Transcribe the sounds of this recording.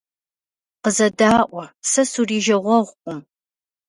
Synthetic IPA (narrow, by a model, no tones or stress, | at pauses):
qəzɐdaːʔʷɔsɐsuriːʒɐʁʷɔʁʷqʷʼʊm